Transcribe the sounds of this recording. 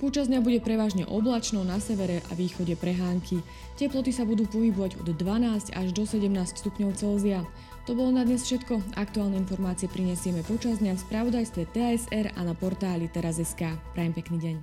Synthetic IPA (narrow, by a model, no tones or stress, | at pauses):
pɔt͡ʃazd̪ɲabuɟɛpɾɛʋaːʒɲɛ̰ʔɔblat͡ʃnɔnasɛʋɛɾɛʔa̰ʋiːxɔɟɛpɾɛɦaːŋkʰi | cɛplɔt̪isabud̪uːpɔɦibɔʋaɟɔ̰d̪d̪ʋanaːsca̰ʒd̪ɔsɛɟɛmnaːscst̪upɲɔʊt͡sɛlzia | t̪ɔbɔlɔnad̪ɲɛsfʃɛt̪kɔakt̪uaːlnɛinfɔɾmaːt͡siɪɛpɾiɲɛsɪɛmɛpɔt͡ʃazd̪ɲafspɾaʋɔd̪ajst̪ʋɛt̪ɛɛzɛɾa̰napɔɾt̪aːlit̪ɛɾazɛskaːpɾajɛmpɛkniːɟɛɲ